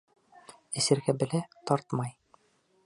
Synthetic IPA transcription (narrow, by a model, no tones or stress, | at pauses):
ɘ̆sɘ̆ɾɡæbɘ̆læt̪ɒɾt̪mɑj